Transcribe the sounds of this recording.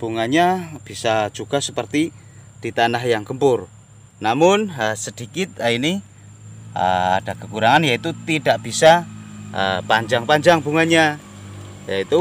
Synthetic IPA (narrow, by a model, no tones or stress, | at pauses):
b̥uŋaɲab̥isad͡ʒuɡ̥asəpərt̪i | d̥it̪anaɦjaŋkəmpʊr | namʊnəsəd̥ikɪt̪̚aini | ə̰a̰d̥akəkuɾaŋanjait̪ut̪id̥aʔb̥isaə̰paɲd͡ʒaŋpaɲd͡ʒaŋbuŋaɲa | jait̪u